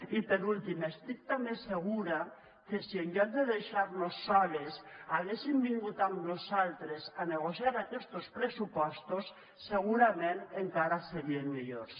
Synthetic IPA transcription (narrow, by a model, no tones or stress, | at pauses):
ipeɾult̪imest̪ik̚t̪ameseɣ̞uɾa | kesieɲɟand̪eðeʃaɾnosːaβesaɣesimbiŋɡut̪aŋnosalt̪ɾesaneɣ̞osjaɾakest̪ospɾesupɔst̪osː | eɣ̞uɾamẽneŋkaɾaseɾienmiʎoɾs